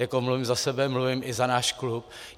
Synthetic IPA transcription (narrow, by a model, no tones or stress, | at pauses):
jakomluvɪmzasɛbɛmluvɪmʔɪzanaːʃklup̚